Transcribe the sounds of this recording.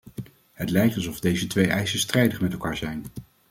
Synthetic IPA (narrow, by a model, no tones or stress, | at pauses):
ɦətlɛjk̚tɑlˠsɔvdejzətʋejʔɛjsəstrɛjdəχmɛtɛlˠkaːɹzɛjn